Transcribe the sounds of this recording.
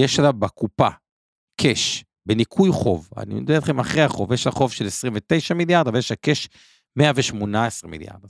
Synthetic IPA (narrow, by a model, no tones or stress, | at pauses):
jeʃalavbakupa̰ | kʰeʃ | benikʰujχo̞va̰nḭmed̪bet̪χemaχʁehaχo̞vjeʃlaχo̞vʃelesʁimvet̪e̞jʃamiljaʁd̪avejeʃlake̞ʃ | meaveʃmonaesʁimḭlja̰ʁd̪